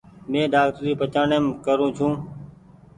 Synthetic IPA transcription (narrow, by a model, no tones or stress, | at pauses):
mẽːɖaːkt̪ɾiːpət͡ʃaːɳeːmkəɾũːt͡ʃʰũː